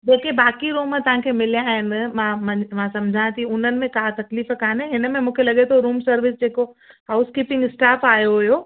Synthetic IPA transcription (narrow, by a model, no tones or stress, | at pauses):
d͡ʑeːkebaːkiɾuːmt̪ɐʋ̤ãkʰemɪlijãːɦɪn̆mãːmɐ̃mãsɐ̃md͡ʑʱãt̪iʊn̤ənɪ̆mẽkaːt̪ɐkliːfkaːneɦɪnəmẽmũːkʰelɐɠet̪ʰoɾuːmsɐɾʋɪsd͡ʑeːkohaʊskiːpɪ̃ŋɡɪsʈaːfaːjoɦʊjoː